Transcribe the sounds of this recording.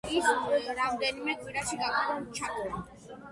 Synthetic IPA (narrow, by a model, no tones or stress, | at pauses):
isɾamd̪ɛnimɛkʼwiɾaʃiɡakʰʼɾɔnt͡ʃʰat̪ʼɾɛ